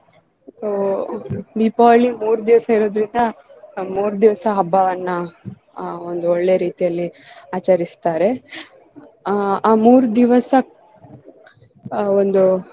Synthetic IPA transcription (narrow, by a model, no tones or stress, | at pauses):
soː | ɖipaːlimuːɾud̪iʋɐsɐiɾo̞ːd̪ɾind̪ɐmuːɾud̪iʋɐsɐɦɐbːɐʋɐnːɐ | ond̪uoɭːejɾiːt̪ijɐlːiaːt͡ʃɐɾist̪aːɾe̞ | aːmuːɾud̪iʋɐsɐ | ond̪u